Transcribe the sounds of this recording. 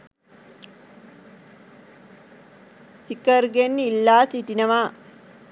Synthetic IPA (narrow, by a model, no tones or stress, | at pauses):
sikɐɾɡenilːaːsiʈinɐʋaː